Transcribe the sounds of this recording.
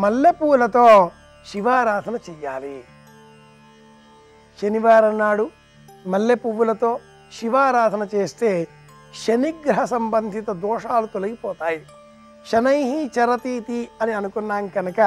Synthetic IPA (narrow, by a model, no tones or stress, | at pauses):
mɐlːepuːlɐt̪oː | ʃiʋaːɾaːd̪ʱɐnɐt͡ʃɛjːaːli | ʃeniʋaːɾɐnːaːɽu | mɐlːepuʋulɐt̪o̞ː | ʃiʋaːɾaːd̪ʱɐnɐt͡ʃeːst̪e̞ː | ʃɐniɡɾɐɦɐsɐmbɐnd̪ʱit̪ɐd̪ɔːʂaːlut̪olɐɡipɔːt̪aːji | ʃɐnɐjɦit͡ʃɐɾɐt̪iːt̪iɐniɐnukunːaːnkɐnɐkɐ